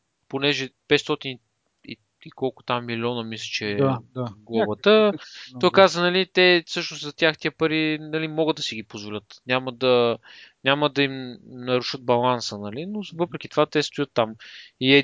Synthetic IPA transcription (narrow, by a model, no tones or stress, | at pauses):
ponɛʒɛpɛt̪st̪ɔt̪in | ḭ | ikɔlˠkʊ̥t̪amːiliɔnəmislʲɛ̥t͡ʃɛ | ɡlˠɔbət̪əɔjkazvənɐlit̪ɛfsɤʃnost̪zɐt̪ʲjaxt̪iəpɐɾinɐlimɔɡəd̪ɐsiɡ̟ipozvolʲɤt̪nʲaməd̪ɐnʲaməd̪ɐimnɐɾuʃəd̪̚bɐlˠansənɐlinovɤpɾɛk̟ʲi̥t̪ovat̪ɛst̪ʊjət̪ːamiɛ